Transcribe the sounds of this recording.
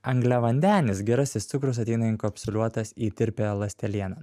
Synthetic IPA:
ɐŋɡlʲɛʋɐnʲd̪ʲæːnʲɪsɡʲɛɾɐsʲɪst̪sʊkɾʊs̬ɐt̪ʲɛɪnɐɪŋkopʲsʲʊlʲuɔt̪ɐsiːt̪ʲɪɾʲpʲelˠɐsʲt̪ʲɛlʲiɛnɐ

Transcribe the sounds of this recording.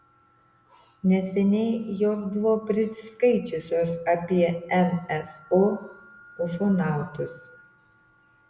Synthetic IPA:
nʲɛsʲɛnʲɛɪjoːs̬bʊʋoːpʲɾʲɪsʲɪskɐɪt͡ʃʲʊsʲoːsɐpʲiɛɛmɛso | ʊfonɑˑʊt̪ʊs

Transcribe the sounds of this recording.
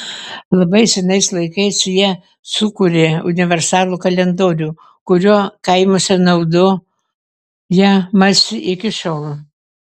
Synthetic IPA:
lˠɐbɐɪsʲɛnɐɪslˠɐɪkɐɪsjiɛ | sʊkʊɾʲeʊnʲɪʋʲɛɾsɑːlˠuːkɐlʲɛnd̪oːɾʲuː | kʊɾʲuːkɐɪmosʲɛnɐʊd̪ʊ | jiɛmɐsʲɪʔɪkʲɪʃoːlˠ

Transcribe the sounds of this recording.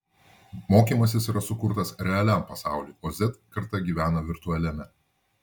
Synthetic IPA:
moːkʲiːmɐsʲɪsiːɾɐsʊkʊɾt̪ɐsɾʲɛɐlʲæˑmpɐsɑˑʊlʲuːʔoːzʲɛt̪kɐɾt̪ɐɡʲiːʋʲæːnɐʋʲɪɾt̪ʊɐlʲɛmʲɛ

